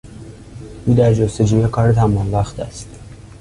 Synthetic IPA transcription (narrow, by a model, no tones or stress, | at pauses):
ʔuːd̪æɾd͡ʒost̪ed͡ʒuːjækʰɒɾet̪ʰæmɒnvæxt̪æst̪